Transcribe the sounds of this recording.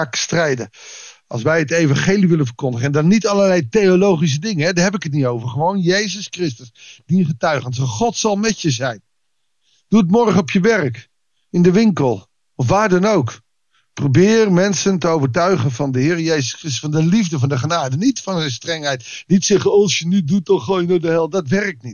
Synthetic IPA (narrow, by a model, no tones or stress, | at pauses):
kstrɛjdə | ɑ̰lˠsʋɛjɦətejvɑ̃nχejliʋɪlənvəɹkʊndəχəɛndɑnːitɑləɹlɛjtejolowχis̬ədɪŋənɦɛdaɦɛpɪkət̬̚nitowvəɹχəʋownjejzəskrɪstəsdiχətœɥχənsɛχɔtsɑlˠmɛtjəzɛjn | d̥uətmɔɹχənɔpjəʋɛrk | ɪndəʋɪŋkəlˠ | ɔfʋaːɹdɑnowk | prowbɪːrmɛnsəntəowvəɹtœɥχənvɑndəɦɪːrəjejzəskrɪstə̥sfɑndəlivdəvɑndəχənaːdənitfɑnzɛjnstrɛŋɦɛjtnitsɛχəɑlˠsjənydutɔχojnodəɦɛlˠdɑtʋɛrək̚tnit